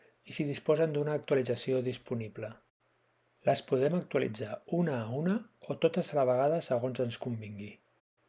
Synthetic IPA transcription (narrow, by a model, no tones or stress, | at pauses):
isiðispɔzənd̪unaːk̚t̪uəlid͡zəsioðispuniplə | ləspuðɛmək̚t̪uəlḭd͡zaunəːunəot̪ot̪əzələβ̞əɣaðəsəɣonzənskumbiŋɡi